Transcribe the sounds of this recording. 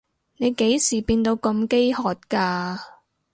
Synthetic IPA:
ne˨˧jke˨˥jsiː˨˩piː˧nt̪o˨˧wkɐ˧mke˥jhɔː˨t̚kaː˧

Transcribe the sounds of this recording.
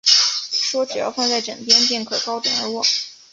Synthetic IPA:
ʂwɔ˥ʈ͡ʂɻ̩˨˩jɑ̰˥˧ʊfɑ˥˧ŋt͡sa˥˩ɪʈ͡ʂɤ˨˩ŋpjɛ˥np̪jɛ˥˩nkʰɤ˥˩kɑ˥ʊt̪wɛ̰˨˩nə˞˧˥wɔ˥˩

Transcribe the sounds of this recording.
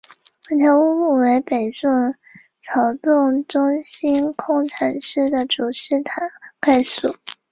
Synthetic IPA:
wa˥˩t̪ʰjɑ˧˥u˥u˥˩we˧˥ɪpe˨˩ɪsə˥˩ŋ | t͡sʰɑ˨˧˩ʊt͡s̪ʊ˥˩ŋʈ͡ʂʊ˥ŋɕi˥nkʰʊ˥ŋʈ͡ʂʰa˨˩nʂɻ̩˥˩d̪ə˩ʈ͡ʂu˨˩ʂɻ̩˥˩t̪ʰa˨˧˥nka˥˩ɪsu˨˩˦

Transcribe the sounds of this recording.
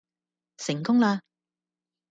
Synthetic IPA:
sɪ˨˩ŋkʊ˥ŋlaː˧

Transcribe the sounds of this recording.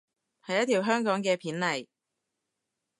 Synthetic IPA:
hɐ˨jːɐ˥t̪ʰiː˨˩wɦœː˥ŋkɔː˨˥ŋkɛː˧pʰiː˨˥nlɐ˨˩j

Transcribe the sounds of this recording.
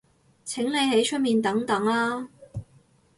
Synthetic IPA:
t͡sʰɪ˨˥ŋle˨˧jhe˨˥jt͡ʃʰɵ˥t̚miː˨nt̪ɐ˨˥ŋt̪ɐ˨˥ŋlaː˥

